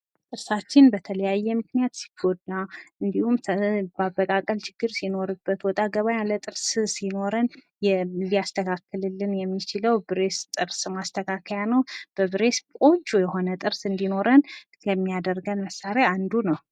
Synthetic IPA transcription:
t̪ʼɨɾsat͡ʃːɪnbət̪ʰələjajːɛmɨknijat̪si̥ɡod̪aʔɨnd̪ihumbaβːəkʼakʼəlt͡ʃɪɡ̥ːɨɾsino̞ɾɨbːət̪wɔt̪ʼaɡəβajalət̪ʼɨɾssino̞ɾən | jɛlijast̪ʰəkʰakːɨlɨlːɨnjɛmːit͡ʃɪləwbɨɾe̞st̪ʼɨɾsmast̪ʰəkʰakʰəjanəwb̥əβɨɾe̞skʼot͡ʃːujɛho̞nət̪ʼɨɾsɨnd̪ino̞ɾən | jɛmːijad̪əɾɡənməsaɾeand̪unəw

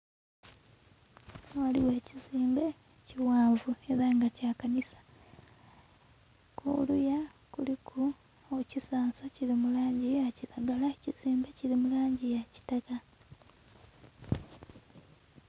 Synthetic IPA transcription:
waliweːciziːmbe̞ | ciwaːɱvue̞ɾaŋɡacaːkanisḁ | kʰṵlujakulikʰu | ocisaːnsaciɾimulaːɲɟiaciɾaɡalaeciz̥iːmbe̞ciɾimulaːɲɟijaci̥taka

